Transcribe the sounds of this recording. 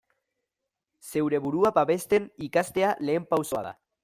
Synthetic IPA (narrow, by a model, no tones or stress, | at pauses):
sewɾeβuɾuapaβest̪enikast̪ealeempawsoa̰ða̰